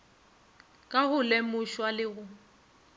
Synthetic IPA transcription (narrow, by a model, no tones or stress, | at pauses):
kʼahʊlemʊʃwalɪɣʊ